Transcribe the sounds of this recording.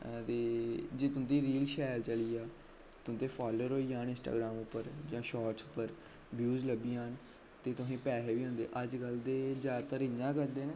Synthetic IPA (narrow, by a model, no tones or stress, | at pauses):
t̪eːd͡ʒeːt̪ʊ̃nt̪iːɾiːlʃɛːlt͡ʃəliːaː | t̪ʊ̃nt̪eːpʰaːloːɾoːiːaːnɪ̃nsʈa̰ːɡɾaːmʊpːəɾd͡ʒãːʃaːʈsʊ̥pːəɾ | bjuːzləbiːaːn | t̪eːt̪ʊsẽːpɛːɦeːʋiːɦõːnd̪ḛːʔəd͡ʒkəld̪eːd͡ʒaːt̪əɾɪɲãːkəɾd̪eːnẽː